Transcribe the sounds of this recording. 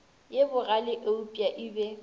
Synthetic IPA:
jebʊralɪʔeʊpʼjaʔɪbɛ

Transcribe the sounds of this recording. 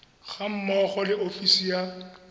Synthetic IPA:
ɣam̩mɔχɔlɪʔofisija

